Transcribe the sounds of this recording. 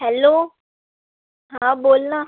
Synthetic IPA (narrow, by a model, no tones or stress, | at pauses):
ɦɛloː | ɦãːboːlnãː